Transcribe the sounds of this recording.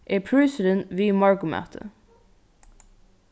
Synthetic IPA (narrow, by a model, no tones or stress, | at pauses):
ʔeːpʰɹʉːsəɾənʋiːmɑɹɡʊmæ̰ːt̪ʰə̰